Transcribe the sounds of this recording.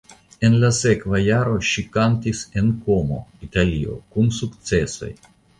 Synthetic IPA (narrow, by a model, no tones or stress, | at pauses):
e̞nlase̞kvajaɾo̞ʃikantise̞nko̞mo̞̰italio̞̰kunsukt͡se̞so̞̰j